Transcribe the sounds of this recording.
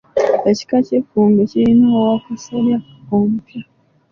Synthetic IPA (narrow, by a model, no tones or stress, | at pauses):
eci̥kacefuːmɡecilinowakusaɾja | omupja